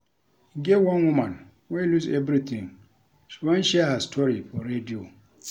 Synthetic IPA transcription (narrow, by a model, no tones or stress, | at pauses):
ɡɛwãnwumãn | welusɛvɾit̪ʰĩŋ | ʃiwɛ̃nʃɛhastʰɔɾifɔɾedio